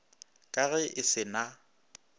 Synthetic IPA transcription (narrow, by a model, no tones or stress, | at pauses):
kʼaɣɛʔɪsɪna